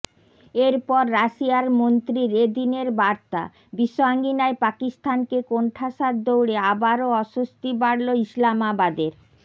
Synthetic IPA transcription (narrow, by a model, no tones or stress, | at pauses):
eɾpɔɾːaʃiaɾmont̪ɾiɾed̪ineɾbaɾt̪a̰ | biʃːoaŋɡinaepakist̪ʰankekoɳʈʰaʃaɾd̪owɽeabaɾoɔʃust̪ibaɽloislamabad̪eɾ